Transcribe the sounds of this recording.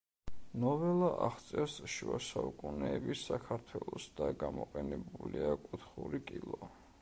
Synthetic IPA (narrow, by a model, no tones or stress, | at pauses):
nɔvɛlˠaʔaχt̪sʼɛɾsʃuasaukʼunɛːbisːakʰaɾt̪ʰwɛlˠɔsd̪aɡamɔqʼɛnɛbuliakʼut̪ʰχuɾikʼilˠɔ